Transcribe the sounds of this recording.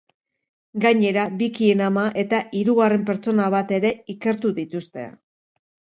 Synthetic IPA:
ɡaɲe̞ɾabikie̞namaʔe̞t̪aʔiɾuɣare̞mpe̞ɾt͡so̞naβ̞at̪e̞ɾe̞ike̞ɾt̪uðit̪ust̪e̞̰

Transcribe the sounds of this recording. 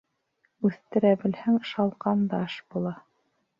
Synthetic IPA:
ʉθt̪ɘ̆ɾæbɘ̆lhæŋʃɑlˠqɑnd̪ɑʃbulˠɑ

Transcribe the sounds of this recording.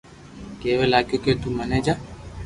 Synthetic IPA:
keːʋeːlaːɡjoːkeːt̪uːməneːd͡ʒaː

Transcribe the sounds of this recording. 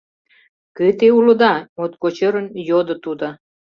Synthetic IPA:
kət̪eulə̆d̪ɑmot̪̚kot͡ɕəɾə̆njod̪ə̆t̪ud̪ɑ

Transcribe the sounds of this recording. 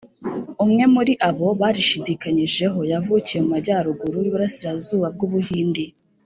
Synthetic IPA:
umŋe̞muɾiʔaβo̞βaːɾiʃidikaɲiʒe̞ɦo̞javucijemumaɟaːɾuɡuɾujiβuɾasiɾazuːβab̚ɡuβuhiːndi

